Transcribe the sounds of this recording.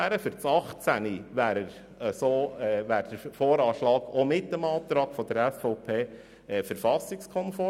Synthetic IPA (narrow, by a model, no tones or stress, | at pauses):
æːɾəfʏɾt͡sɑχt͡sæniʋæːɾəɾ | əsoːɛʋæːɾd̥̪əɾfoːɾɑːʃlɑːɡomɪtːəmɑːt̪ɾɑːkfɔd̪əɾɛsfɔʊpʰeː | ɛfəɾfɑsɪkskʰɔnfɔ